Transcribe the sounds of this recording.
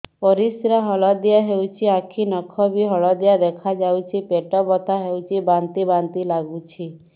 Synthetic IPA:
pɔɾisɾaɦɔɭɔd̪ijaɦewt͡ʃʰiakʰinɔkʰɔbiɦɔɭɔd̪ijad̪ekʰad͡ʒawt͡ʃʰipeʈɔbɔt̪ʰaɦewt͡ʃʰibant̪ibant̪ilaɡut͡ʃʰi

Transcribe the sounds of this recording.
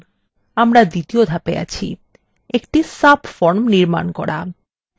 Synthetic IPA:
amɾad̪it̪iod̪ʱapḛa̰t͡ɕʰḭ | ekʈisabʰfɔɾmniɾma̰nkɔɽa̰

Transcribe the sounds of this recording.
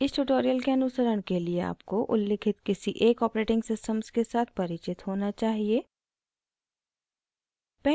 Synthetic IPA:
ɪsʈuʈoːɾijəlkeɐnʊsəɾəɽ̃keliea̰ːpkoʔʊlːɪkʰɪt̪kɪsiʔeːkɔːpɾeːʈɪ̃ŋɡsɪsʈəmskesaːt̪ʰpɐɾɪt͡ʃɪt̪ɦoːnat͡ʃaːɦieː | pɛɦ

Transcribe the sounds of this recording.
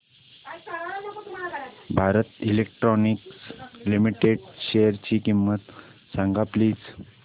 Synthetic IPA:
bʱaɾət̪ilek̚ʈɾɔnikslimiʈeɖɕejəɾt͡ɕiːkimːət̪saŋɡapliːd͡z

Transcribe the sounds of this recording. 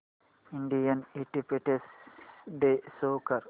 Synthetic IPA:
iɳɖijɐneʈ̪ipeʈesɖ̪esoːkɐɾ

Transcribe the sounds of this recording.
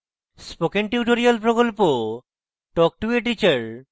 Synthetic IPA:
spokeɳʈjuʈoɾialpɾokolpo | ʈɔk̚ʈueʈ̬it͡ɕaɾ

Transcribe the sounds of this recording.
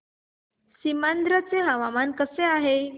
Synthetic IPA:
simand̪ɾət͡seɦaʋamankəseaɦe

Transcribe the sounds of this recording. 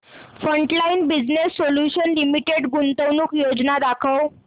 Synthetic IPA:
fɾəɳʈlainbid͡znesːoljuɕənlimiʈeɽɡunt̪əwnuːkjod͡znad̪akʰəw

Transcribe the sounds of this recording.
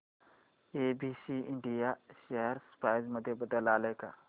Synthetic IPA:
eːbiːsiːɪ̃ɳɖijaʃɐɦəɾspaːɪzmɐd̪ʱjebəd̪əlaːleːka̰ː

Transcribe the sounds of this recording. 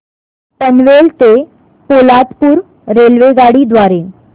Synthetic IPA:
t̪ənʋelt̪e | polat̪puːɾ | ɾelʋeɡaɽiːd̪ʋaɾe

